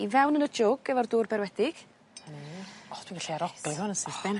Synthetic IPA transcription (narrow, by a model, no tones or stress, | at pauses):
ivɛwnənəd͡ʒʊɡɛvɔrduːrbɛɾwɛdɪɡ̥ | niɔd̥wiɡaɬiaɾɔɡ̥lˠihʊnənsɪθb̥ɛn